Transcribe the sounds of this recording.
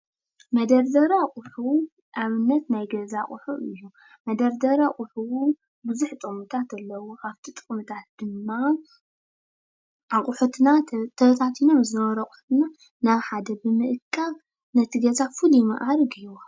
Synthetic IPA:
mɐd̪ɐɾd̪ɐɾakʼʊħu | ʔaβɨnːɐt̪najɡɐzaχʼʊħuʔɨjːu | mɐd̪ɐɾd̪ɐɾaqʼʊħuwu | bɨzuħt̪ʼɨkʼmɨt̪ʰat̪ɐlːɐwoʔaβt̪ʰit̪ʼɨχʼmɨt̪ʰat̪̚d̪̥ɨmːa | ʔaχʼʊħut̪nat̪ʰɐt̪ʰat̪ʰino̞mzɨnɐβɐɾɐkʼʊ̥ħu̥t̪ɨna | naβħad̪ɐbɨmɨʔɨkʰʼːal | nɐt̪ʰiɡɐzafɨlujimɐ̰ʔaɾɡɨjwa

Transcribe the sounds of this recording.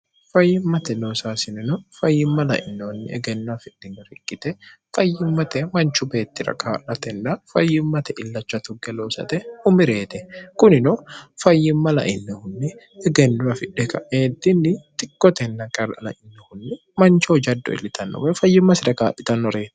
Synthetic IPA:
fɐjːɪmːɐt̪ɛloːsaːsɪnɪnɔfɐjːɪmːɐlɐ̰ʔɪ̰nːɛhʊnːɪ̰ɛ̰ɡɛnːʊɐfɪᶑːɪnɔɾɪkʼːɪt̪ɛfɐjːɪmːɐt̪ɛmɐnt͡ʃʊbe̞ːt̪ːɪɾɐ̰kaːᶑɐt̪ɛnːɐfɐjːɪmːɐt̪ɛʔɪlːɐt͡ʃːɐt̪ʊɡɛloːsɐ̰t̪ɛʊmɪɾe̞ːt̪ɛkʊnɪnɔfɐjːɪmːɐlɐ̰ʔɪnːɛhʊnːɪ | ɛɡɛnːʊɐfɪᶑːɛkɐʔeːt̪ːɪnːɪt̪ʼɪkːɔt̪ɛnːɐkʼɐɾɐ̰lɐ̰ʔɪnːɛhʊnːɪ | mɐnt͡ʃoːd͡ʒɐd̪ːɔ̰ɪ̰lɪt̪ʰɐnːɔ̰wɛfɐjːɪmːɐsɪɾɐkaːᶑɪt̪ɐnːɔɾeːt̪ɛ̥

